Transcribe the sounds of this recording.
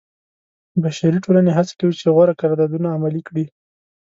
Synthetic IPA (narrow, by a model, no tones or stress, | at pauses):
baʃaɾiʈolaneɦat͡sḁkawit͡ʃeɣwaɾakaɾd̪ad̪unaːmalikɽi